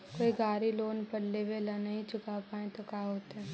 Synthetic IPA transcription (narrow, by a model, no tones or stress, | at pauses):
koːiɡaːɾiloːnpɐɽleʋeːlanɐɦĩt͡ʃʊkapaːẽt̪okaːɦoːt̪ɛ